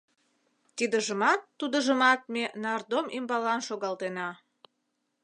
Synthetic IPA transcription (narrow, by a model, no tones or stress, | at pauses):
t̪id̪əʒəmɑt̪ːud̪əʒəmɑt̪̚menɑrd̪omʔimbɑlɑnʃoɣɑlt̪enɑ